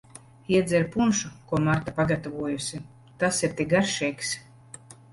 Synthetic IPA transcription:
iɛd̪zʲɛɾpunʃukuɔmaɾt̪apaɡat̪avuɔjusʲi | t̪asiɾt̪ʲiɡaɾʃɛjks

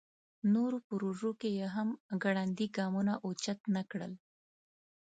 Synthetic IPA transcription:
noɾopʊɾuʐokejaɦamɡaɽand̪iɡɑmunaʔot͡ʃat̪nakɽə̰l

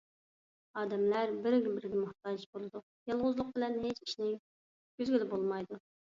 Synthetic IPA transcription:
ɑːd̪ɛmlæɾbɪɾɡʲɛbɪɾɪɡʲɛmʊχt̪ɑd͡ʒbolˠɨd̪u | jɑlˠʁʊzlˠʊq̚bɪlɛnɦet͡ʃi̥ʃnɪ | ɡ̥ʲyzɡʲylɪbolˠmɑjd̪u

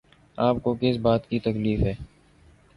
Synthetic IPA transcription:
aːp̚kokɪsbaːt̪kit̪əkliːfɦɛː

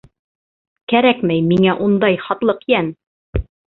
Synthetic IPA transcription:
kæɾækmæjmiŋæʔund̪ɑjχɑt̪lˠɤqjæn

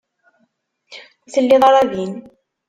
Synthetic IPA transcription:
θəlːiðˤɑɾˤɑbiːn

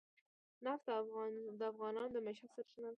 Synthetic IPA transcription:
naft̪d̪əafɣɑnɑnd̪əmaʃasaɾʃənal

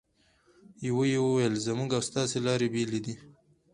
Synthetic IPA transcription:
jawojewəwajəlzamuɡawst̪ɑselɑɾebeled̪i

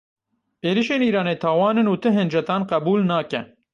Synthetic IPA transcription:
eːɾiːʃeːniːɾɑːneːt̪ʰɑːwɑːnɨnuːt̪ʰɨɦɨnd͡ʒɛt̪ɑːnqɛbuːlnɑːkɛ̰

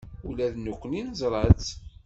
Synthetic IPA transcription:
ulæðnukʷːəninzˤɾˤət͡s

